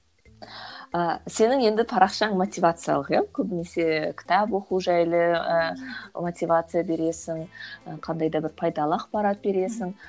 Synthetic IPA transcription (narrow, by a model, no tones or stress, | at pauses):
əse̞nɪŋe̞nd̪ɪt̪ʰɑɾɑqʃɑɴmo̞t̪ʲijvat̪sɨja̰lˠəqjɑkʲʰɵbɪne̞se̞kʲʰɪ̥t̪ɑpwo̞quʒæjlˠəəmo̞t̪ʲivat̪sɨjabe̞ɾe̞sɪŋəqʰɑnd̪ɑjd̪ɑbɪɾpʰɑjd̪ɑlˠəɑqpɑɾɑt̪̚be̞ɾe̞sɪŋ